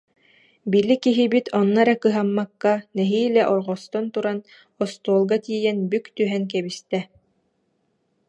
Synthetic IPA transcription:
bilikiɦibit̪ʰɔnːaɾɛkɯɦamːakːanɛɦiːlɛʔɔɾʁɔst̪ɔnt̪uɾan | ɔst̪uɔlˠɡat̪iːjɛnbykt̪yɦɛnk̬ɛβist̪ɛ

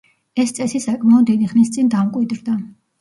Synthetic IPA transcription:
ɛst̪sʼɛsisakʼmaɔd̪iniχnist̪sʼind̪amkʼwid̪ɾd̪a

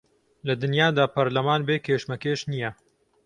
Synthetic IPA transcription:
lɐd̪ɨnjaːd̪aːpɐɾlɐmaːnbeːkʰeːʃmɐkeːʃnijɐ

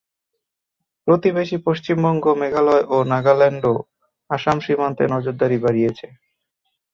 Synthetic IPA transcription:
pɾot̪ibeʃipoʃt͡ɕimbɔŋɡomeɡalɔeʔonaɡalɛɳɖo | aʃamʃimant̪enɔd͡ʑoɾd̪aɾibaɾijet͡ɕʰe

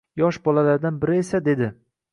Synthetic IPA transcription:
jɒʃbɒlalaɾd̪anbɪɾɪesad̪e̞d̪ɪ

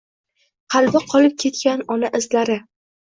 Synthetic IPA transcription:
qʰɑlbɪqʰɒlɪp̚kʲʰe̞t̪kʲanɒnaʔɪzlaɾɪ

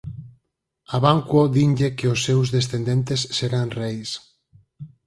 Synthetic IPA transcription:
aβaŋkwoðiɲʎekeosːewzðesθend̪ent̪esːeɾanrɛjs

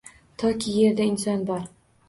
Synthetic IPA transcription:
t̪ʰɒkʲijeɾd̪æinsɒnbɒɾ

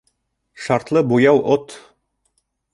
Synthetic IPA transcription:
ʃɑɾt̪lˠɤbujɑwʔot̪

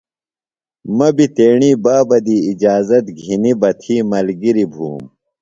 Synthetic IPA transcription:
mɐbit̪eːɳiːbaːbɐd̪iːd͡ʑaːzɐt̪ɡʱinibɐt̪ʰiːmɐlɡiɾibʱṵːm

